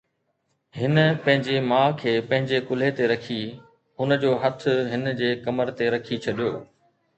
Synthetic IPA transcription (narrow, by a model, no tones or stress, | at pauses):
hɪnə̆pɐ̃ɦɪ̃ɲd͡ʑemãːkʰeːpɐ̃ɦɪ̃ɲd͡ʑekʊl̤ɦet̪eɾɐkʰi | hʊnə̆d͡ʑoːɦɐt̪ʰʊ̆ɦɪnd͡ʑeːkɐməɾt̪eɾɐkʰit͡ɕʰɐɗijoː